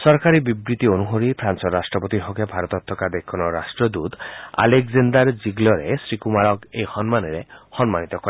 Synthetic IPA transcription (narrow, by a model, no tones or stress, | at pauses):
sɔɾkaɾibibɾit̪ionuɦoɾipʰɾant͡ʃɔɾasʈɾɔpot̪iɦɔkebʱaɾɔt̪ɔt̪ʰːɔkad̪ekʰɔnɔɾasʈɾɔd̪ut̪a̰lekzend̪aɾd͡ʒiɡlɔɾesɾikumaɾɔkejhɔnmaneɾehɔnmanit̪ɔkɔɾe